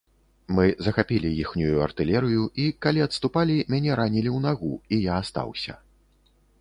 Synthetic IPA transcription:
mɨzɐxapʲilʲijixnʲujuɐ̰rt̪ɨlʲɛɾɨjuikalʲiɐt̪st̪upalʲimʲanʲɛɾanʲilʲiwnaɣuijaːst̪a̰wsʲɐ̰

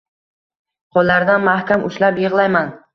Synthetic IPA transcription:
qʰɒlˠːaɾd̪anmahkʲamʔʊʃlapjɨʁlˠajman

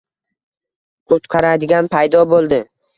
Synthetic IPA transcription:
ot̪qʰɑɾad̪ɪɡʲanpʰajd̪ɒbolˠd̪ɪ

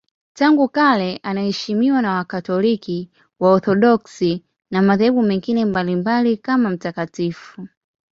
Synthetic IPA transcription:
taŋɡukalɛʔanahɛʃimiwanawakatɔliki | waɔθɔɗɔksi | namaðahɛɓumɛŋɡinɛmbalimbalikamam̩takatifu

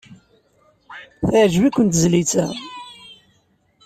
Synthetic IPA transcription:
θæʕʒwikʷːənt̪zlit͡sæ

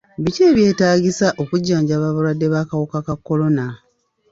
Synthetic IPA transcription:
βice̞ːβje̞ːtaːɟisaʔo̞kuɟːaːɲɟaːβaβalwadːe̞βaːkawokakakːo̞lo̞na

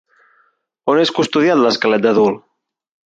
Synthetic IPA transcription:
oneskust̪uðjat̪ləskalɛt̪̚d̪aðul

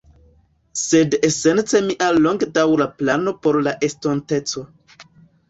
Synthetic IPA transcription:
se̞dese̞nt͡se̞miʔaːoŋɡdawɾaplano̞po̞ɾlaʔe̞stonte̞t͡so̞

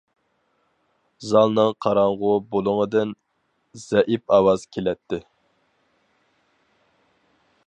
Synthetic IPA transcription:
zɑlˠnɨŋqʰɑɾɑɴʁʊbolˠʊŋəd̪ɨn | z̥ɛʔipɑwɑz̥kʲʰelɛt̪ʰːɪ

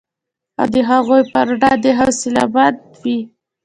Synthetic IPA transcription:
a̰wd̪əɦaɣojpəɾɖɑd̪əɦasɪla̰bad̪ | wi

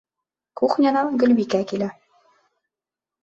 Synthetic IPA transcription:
kuχnʲɑnɑɡɵ̆lbikækilæ

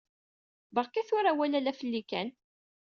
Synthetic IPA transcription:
bəʁkæθʊɾæwælælæfəlːikæn

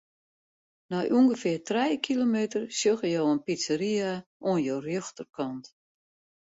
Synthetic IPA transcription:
nɔjʔuəŋɡəfɪərtrɛjkʰilomeːtərsjøɣəjowənpisəɾiaʔoənjowrjøxtərkɔnt

